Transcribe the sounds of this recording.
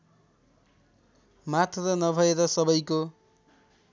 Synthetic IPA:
mat̪ʰɾʌnʌbʱʌeɾʌsʌbʌjko

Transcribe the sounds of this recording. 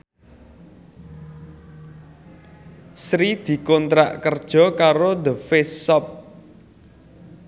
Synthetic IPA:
sɾid̪̥i̤kɔnt̪ɾa̰ʔkərd̥ʒ̥ɔ̤kaɾod̪əfessɔp̚

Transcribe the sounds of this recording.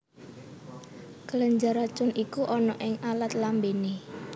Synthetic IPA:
kələɲd͡ʒaɾat͡ʃʊnikuʔɔnɔʔɪŋalat̪lambene

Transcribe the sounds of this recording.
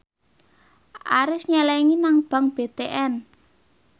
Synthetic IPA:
ʔa̰ɾʊsɲɛlɛŋinaŋb̥a̤ŋb̥e̤t̪eʔɛn

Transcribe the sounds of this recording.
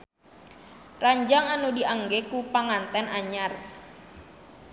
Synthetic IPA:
raɲd͡ʒaŋanudiʔaŋɡɛkupaŋant̪ɛnʔaɲar

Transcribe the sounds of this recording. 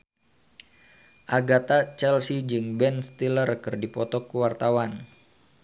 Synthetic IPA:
ʔaɡat̪at͡ʃɛlsid͡ʒɨŋbɛnst̪ilərkɨrdipɔt̪ɔkuwart̪awan

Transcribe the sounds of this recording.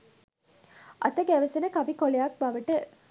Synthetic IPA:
ʔɐ̰t̪ɐɡæʋesinɐkɐbikolejaːk̚bɐʋɐʈe

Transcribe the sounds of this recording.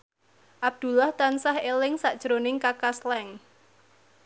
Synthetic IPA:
ʔab̚d̪̥ṳlaht̪ansahelɪŋsaʔd̥ʒ̥ɾonɪŋkakaslɛŋ

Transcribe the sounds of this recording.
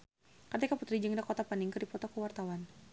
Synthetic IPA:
kart̪ikaput̪ɾid͡ʒəŋdakɔt̪apaniŋkədipɔt̪ɔkəwart̪awan

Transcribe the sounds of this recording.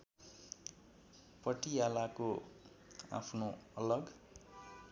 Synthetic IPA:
pʌʈijalako | a̰pʰnoʌlʌɡ

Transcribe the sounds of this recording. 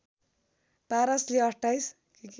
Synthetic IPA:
paɾʌsliʌsʈajs | kik

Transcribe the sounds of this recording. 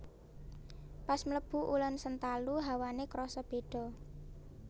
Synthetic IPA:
pasmləb̥ṳʔulɔnsənt̪aluɦawanekɾɔsɔb̥e̤ɖ̥ɔ̤

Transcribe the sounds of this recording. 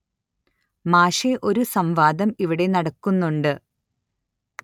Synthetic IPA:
maːʂeʔo̞ɾusɐmʋaːd̪ɐmiʋiɽe̞nɐɽɐkːunːuɳɖɨ

